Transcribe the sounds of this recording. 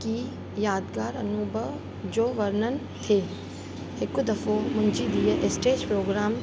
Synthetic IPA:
ki | jaːd̪ɡaːɾɐnuːbʱəʋ | d͡ʑoːʋɐɾnən | t̪ʰeː | ɦɪkʊd̪ɐfomʊ̃ɪd͡ʑid̪iːəʔesʈeːd͡ʒpɾoːɡɾaːm

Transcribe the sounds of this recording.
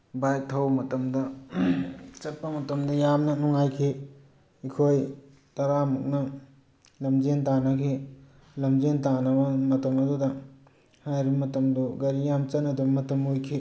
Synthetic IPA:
bajtʰɐwmɐtɐmdɐ | t͡ʃɐt̚pɐmɐtɐmdɐjamnɐnuŋajkʰi | ikʰoj | tɐɾamuk̚nɐ | lɐmd͡ʒentanɐkʰi | lɐmd͡ʒentanɐbɐmɐtɐmɐdudɐ | hajɾibɐmɐtɐmduɡɐɾijamt͡ʃɐtnɐdɐbɐmɐtɐmojkʰi

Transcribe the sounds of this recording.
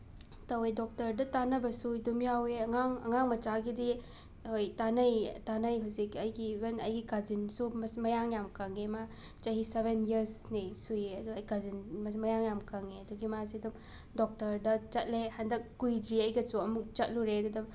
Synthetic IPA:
tɐwedok̚tɐɾdɐtanɐbɐsuidumjaweɐŋaŋɐ̰ŋaŋmɐt͡ʃaɡidi | hojtanɐjtanɐjɦusikɐjɡiːbɐnɐ̰jɡikazinsumɐsmɐjaŋjamkɐŋema | t͡ʃɐɦisebʱeniɐɾsnisujeɐduɐjkazinmɐmɐjaŋjamkɐŋeɐduɡimasidum | dok̚tɐɾdɐt͡ʃɐt̚lehɐndɐk̚ːujdɾiɐjɡɐsuɐmuk̚t͡ʃɐt̚luɾeɐdudɐ

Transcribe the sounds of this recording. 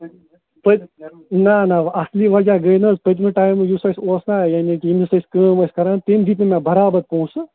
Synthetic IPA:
pə | nanaɐsliːʋɐd͡ʒaːɡɐjnɐspɐt̪̬miʈaːjmjusɐjsoːsnajaːnikiimisɐskəːmɐskɐɾaːnt̪eːmd̪iːt̪mẽmʲjãːbɐɾaːbɐɾpõũsɨ

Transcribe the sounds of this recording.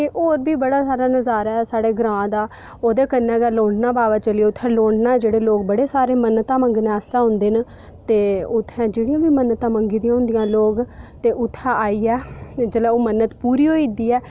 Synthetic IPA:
eːʔoːɾbiːbəɽaːsaːɾaːnəzaːɾaːɛːsaːɽeːɡɾãːd̪aː | oːd̪eːkənːɛ̃ːɡaːloːɳɖnaːbaːʋaːt͡ʃəlieːʊt̪ʰːɛ̃ːloːɳɖnaːɛːd͡ʒeːɽeːloːk̚bəɽeːsaːɾeːmənət̪ãːməŋɡnːaːst̪ãːɦʊ̃nd̪eːn | t̪eːʊt̪ʰːɛ̃ːd͡ʒeːɽijãːʋiːmənt̪ãːməŋɡiːd̪ijãːɦʊ̃nd̪ijãːloːɡt̪eːʔʊt̪ʰːɛ̃ːaːiːɛːd͡ʒəlɛ̃ːoːmənːət̪puːɾiːɦoːiːd̪iːɛː

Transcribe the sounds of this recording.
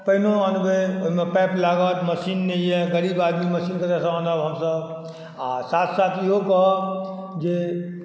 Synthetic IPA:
pəɦinoanbeoɦimepɛplaɡət̪məsinːɛjjɛɡəɾibad̪miməsinkəɾɛsə̃ənəbɦəmsəb | asat̪ʰsat̪ʰiɦokɔɦ | d͡ʒe

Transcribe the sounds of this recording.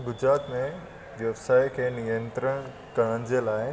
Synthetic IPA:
ɡʊd͡ʑɾaːt̪mẽ | ʋjɐʋsaːikʰeːnijə̃nt̪ɾəɽ̃ | kɐɽ̃ən̆d͡ʑeːlaːɪ

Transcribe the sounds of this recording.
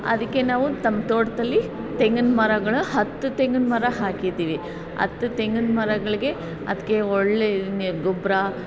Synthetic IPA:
ɐ̰d̪ɐkːe̞naːʋut̪ɐmːɐt̪oːʈt̪ɐlːi | t̪eŋɡɐnmɐɾɐɡɐɭuhɐt̪ːut̪eŋɡɐnmɐɾɐɦaːkid̪iːʋi | ɐ̰t̪ːut̪eŋɡɐnmɐɾɐɡɐɭiɡe̞ | ɐ̰d̪ɐkːe̞oɭːenɡobɾa

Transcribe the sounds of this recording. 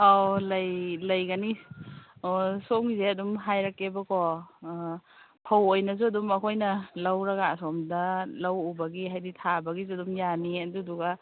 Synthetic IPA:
alɐjlɐjɡani | somizeɐdumɦajɾakːebɐko | pʰawojnɐzuɐdumɐkʰojnɐlawɾɐɡasomdɐlawubɐɡiɦajditʰabɐɡizuɐdumjaniɐduduɡa

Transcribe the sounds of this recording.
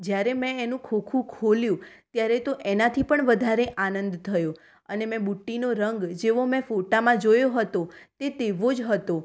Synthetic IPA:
d͡ʒjaɾemɛ̃enũkʰokʰũkʰoljũt̪jaɾet̪oʔenat̪ʰipəɳʋəd̪ʱaɾeʔanənd̪t̪ʰəjo | ənemɛ̃buʈːinoɾəŋɡd͡ʒeʋomɛ̃foʈamãd͡ʒojoɦət̪ot̪et̪eʋod͡ʒɦət̪o

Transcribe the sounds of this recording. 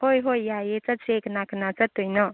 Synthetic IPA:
hojɦojːajet͡sat͡seknakʰnat͡sat̪ujnɔ

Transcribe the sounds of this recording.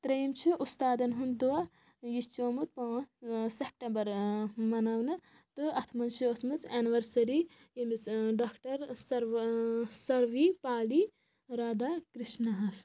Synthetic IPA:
t̪ɾɐjimt͡ʃʰiʔust̪aːd̪ɐnɦund̪ua | jit͡ʃoːmut̪̚pɐsep̚ʈembɐɾmɐnaːwnɐ | t̪ɨɐt̪ʰmɐnt͡ʃiosmɨt͡sɛːniʋɐɾsɐɾi | imisɖaːkʰʈɐɾsɐɾ | sɐɾʋipaːli | ɾaːd̪aːkɾiʃnɐɦɐs

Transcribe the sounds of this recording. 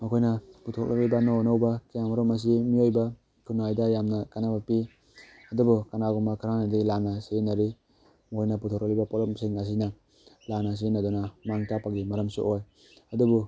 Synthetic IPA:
mɐkʰojnɐputʰok̚lʔak̚libɐnonawbakijamaɾɔmɐs̬imiojba | kʰunajdajamnakanabapi | ɐdubukanaɡɔmakʰaɾanadilanasenaɾi | mɐkʰojnɐputʰok̚lak̚libapolɔmsiŋas̬ina | lanas̬inadunamaŋtapaɡimɐɾɐmsṵʔoj | ɐdubu

